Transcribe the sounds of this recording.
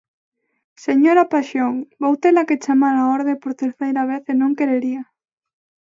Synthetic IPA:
seɲoɾapaʃjoŋbowt̪elaket͡ʃamalaoɾðepoɾt̪eɾθejɾaβ̞eθenõŋkeɾeɾia

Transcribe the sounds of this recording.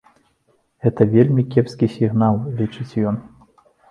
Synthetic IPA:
ɣɛt̪ɐvʲelʲmʲikʲɛpskʲisʲiɣnalˠlʲit͡ʂɨt͡sʲjɔn

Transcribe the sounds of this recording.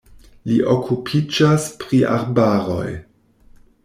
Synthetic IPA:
liʔokʰupʰid͡ʒaspɾiʔa̰ɾbaːɾo̰j

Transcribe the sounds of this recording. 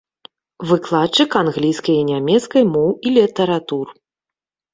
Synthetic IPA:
vɨklˠat̪t͡ʂːɨkanɣlʲijskɐjinʲamʲɛt̪skɐjmɔwilʲit̪ɐɾat̪ur

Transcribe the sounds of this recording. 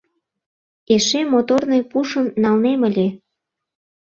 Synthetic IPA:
eʃemot̪ornɤjpuʃə̆nːɑlnemə̆lʲe

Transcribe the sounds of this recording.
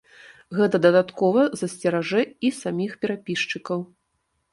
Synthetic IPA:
ɣɛt̪ɐd̪ɐd̪at̪kɔvɐzɐsʲt͡sʲɛɾaʐɛisamʲixpʲɛɾapʲiʂt͡ʂɨkɐw

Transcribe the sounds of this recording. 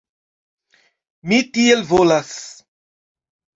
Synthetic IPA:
mitielvolas

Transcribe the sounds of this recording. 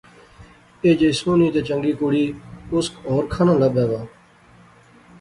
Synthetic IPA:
eːd͡ʒesũːniːt̪eːt͡ʃəŋɡiːkʊɽiːʊskɔːɾkʰaːnãːləbɛːʋaː

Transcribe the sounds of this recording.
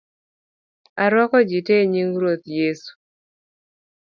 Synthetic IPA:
aɾwɔkɔd͡ʒiteɲiŋɾot̪jesu̥

